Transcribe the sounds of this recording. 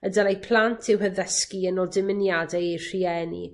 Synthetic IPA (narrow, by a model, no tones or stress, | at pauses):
ədalejpʰlˠantʰɪwhəðəskiənɔlˠdɪmɪnjadɛejr̥iɛnḭ